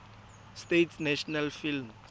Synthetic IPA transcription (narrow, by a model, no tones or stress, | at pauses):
stetʰnɛʃɔnalfilm